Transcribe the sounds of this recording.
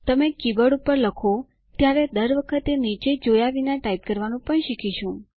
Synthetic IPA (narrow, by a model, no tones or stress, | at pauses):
t̪əmekibəɽupəɾləkʰo | t̪jaɾed̪əɾʋəkʰət̪enit͡ʃed͡ʒojaʋinaʈaip̚kəɾʋanũpəɳʃikʰiʃũ